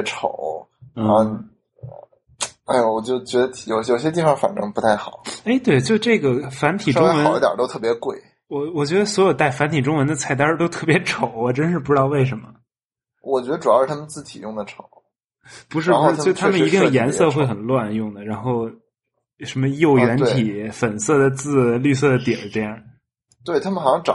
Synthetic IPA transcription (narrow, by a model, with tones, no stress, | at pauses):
ʈ͡ʂʰo̰˨˩˦ʊ˥˧ | a˥˩ɪwɔ˨˩t͡ɕjo˥˩ʊt͡ɕɥɛ˧˥d̪ə˧˩jo˨˩ʊɕjo˨˩ɕjɛ˥t̪̬i˥˩fɑ˥˩fa̰˨˩nʈ͡ʂɤ˥ŋpu˧˥t̪ʰa˥˩ɪxɑ˨˩˦e˥ɪt̪we˥˩ɪt͡ɕjo˥˧ʊʈ͡ʂɤ˥˩ɡə˩fa˧˥nt̪ʰi˨˩˥ʈ͡ʂʊ˥ŋ˥wə˨˧˥i˥˩t̪jə̰˨˩t̪o˥ʊt̪ʰɤ˥˩pjɛ˧˥kwe˥˩ɪ | wɔ˨˩wɔ˨˩t͡ɕɥɛ˧˥d̪ə˧swɔ˧˥jo˨˩ʊt̪a˥˩ɪfa˧˥nt̪ʰi˨˩ʈ͡ʂʊ˥ŋwə˧˥nd̪ə˧t͡sʰa˥˩ɪt̪ə˥˧t̪o˥ʊt̪ʰɤ˥˩pjɛ˧˥ʈ͡ʂʰo˨˩˦ʊ˧˩ʈ͡ʂə˥nʂ̬ɻ̩˥˩p̬u˧ʈ͡ʂɻ̩˥t̪ɑ˥˧we˥˩ɪʂ̬ə˧˥nmə˧ | wɔ˨˩t͡ɕɥɛ˧˥ə˧ʈ͡ʂu˨˩jɑ˥ʂɻ̩˥˩t̪ʰa˥mə˧˨nt͡sɹ̩˥˩t̪ʰḭ˨˩jʊ˥˩ŋd̪ə˩ʈ͡ʂʰo˨˩˦ʊ | pu˧˥ʂ̬ɻ̩˥˩˥u˧˥˧t͡ɕo˥˩ʊt̪ʰa˧˥mə˨ni˧˥t̪i˥˩ŋ˩jɛ˧˥nsɤ˥˧xwe˥˩ɪxə˨˩nlwa˥˧njʊ˥˩ŋd̪ə˩ɻa˧˥nxo˥˩ʊ | ʂə˧˥nmə˧jo˥˩ʊjɥɛ˧˥nt̪ʰi˨˩˦fə˨˩nsɤ˥˩d̪ə˩t͡sɹ̩˥˧ly˥˧sɤ˥˩d̪ə˩t̪jɛ˨˩˥t̪jɛ˥˩ | t̪we˥˩ɪt̪ʰa˥mə˨nxɑ˨˩ɕjɑ˥ŋʈ͡ʂɑ̰˨˩